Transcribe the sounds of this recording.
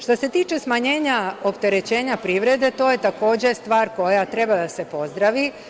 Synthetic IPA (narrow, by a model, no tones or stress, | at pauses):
ʃt̪o̞se̞t̪iːt͡ʃe̞smaɲe̞ːɲao̞pt̪e̞ɾe̞t͡ɕe̞ːɲapɾiːʋɾe̞d̪e̞t̪o̞ːje̞t̪ako̞ːd͡ʑe̞st̪ʋaːɾko̞jat̪ɾe̞bad̪ase̞po̞zd̪ɾaʋi